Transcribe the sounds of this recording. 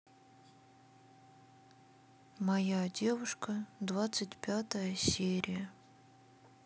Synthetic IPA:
mɐjadʲe̞vʊʂkəd̪vat̪sɨtʲpʲat̪əjəsʲeɾʲɪjə

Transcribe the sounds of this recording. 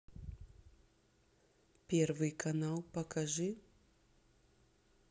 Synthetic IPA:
pʲervɨjkɐnalˠpɐkɐʐɨ

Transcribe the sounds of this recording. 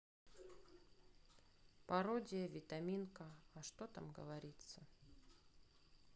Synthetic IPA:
pɐɾodʲɪjəvʲɪt̪ɐmʲinkəɐʂt̪ot̪a̰mɡə̰vɐɾʲit̪sə

